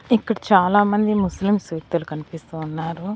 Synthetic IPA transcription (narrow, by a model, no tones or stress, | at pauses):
ikːɐɽɐt͡ʃaːlaːmɐnd̪imuslimsuːt̪ːulukɐnipist̪uːnːaːɾu